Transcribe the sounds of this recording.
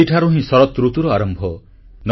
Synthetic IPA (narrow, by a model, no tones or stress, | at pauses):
iʈʰaɾuɦĩsɔɾɔt̪ɾut̪uɾɔaɾɔmbʱɔ | n